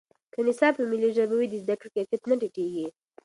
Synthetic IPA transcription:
kənɪsɑpəmiliʒəbawid̪əzd̪akɽikekat̪naʈiʈeɡi

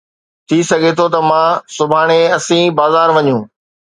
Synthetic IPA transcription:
t̪ʰisɐɡʱet̪ʰot̪̬ɐmãːsʊbʱaːɽ̃eɐsĩbaːzaːɾʋɐɲũː

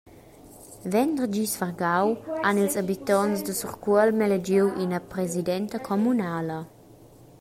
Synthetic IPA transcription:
vɛnd̪ərd͡ʒisfərɡawanilsabit̪ɔnsdəsuʁkwəlmɛled͡ʒiwʔinəpɾezidɛnt̪əkʰomunaːlə

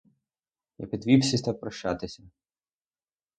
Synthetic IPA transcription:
jɐ̰pʲid̪ʋʲipsʲisʲt̪ɐwpɾɐʃt͡ʃːa̰t̪ɪsʲɐ

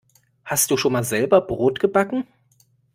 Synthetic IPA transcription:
hastd̥uːʃoːnmaːlzɛlbɐbʁoːtɡ̥əbakŋ̩

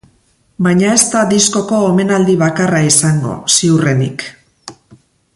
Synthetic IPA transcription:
bajɲae̞st̪ad̪isko̞ko̞ome̞nald̪iβ̞akaraisaŋɡo̞̰siure̞nḭk

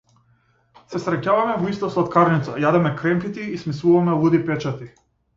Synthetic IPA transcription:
sɛsɾɛcavamɛvɔist̪ɔsˠat̪̚kaɾnit̪sajad̪ɛmɛkɾɛmkit̪iːsmisˠuvamɛlˠud̪ipɛt͡ʃat̪i

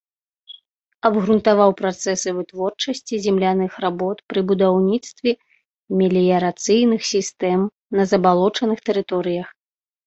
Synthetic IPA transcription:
ɐbɣɾunt̪avawpɾat̪sɛsɨvɨt̪vɔrt͡ʂɐsʲt͡sʲizʲɛmlʲanɨxɾabɔt̪pɾɨbud̪awnʲit̪st̪vʲɛ | mʲilʲijɐɾat̪sɨjnɨxsʲist̪ɛm | nɐzɐbalˠɔt͡ʂɐnɨxt̪ɛɾɨt̪ɔɾɨjɐx

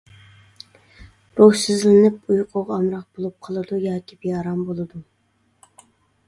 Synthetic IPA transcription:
ɾowsɪzlɪnɪpujqʰoʁɑmɾɑq̚b̥olˠup̚qʰəlˠɨd̪ujɑːkʲʰibejɑɾɑmbolˠɨd̪u

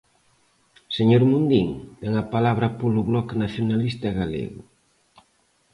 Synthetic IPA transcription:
seɲoɾmund̪iŋt̪ɛŋapalaβɾɐpolʊβlɔknaθjonalist̪aɣalḛɣʊ

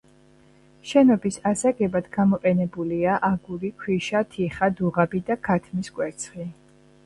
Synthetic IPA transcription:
ʃɛnɔbisasaɡɛbad̪ɡamɔqʼɛnɛbuliaʔaɡuɾikʰwiʃat̪ʰiχad̪uʁabid̪akʰat̪ʰmiskʼwɛɾt̪sʰχi

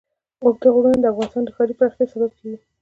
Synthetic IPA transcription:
ʊɡd̪əɣoɽund̪əafɣɑnɪst̪ɑnd̪əxɑɾipəɾaxt̪esabab̚kawi

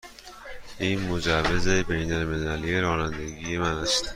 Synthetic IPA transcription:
imʊd͡ʒavɪzejbejnalmelalijeɾɒːnand̪aɡʲijemanast̪

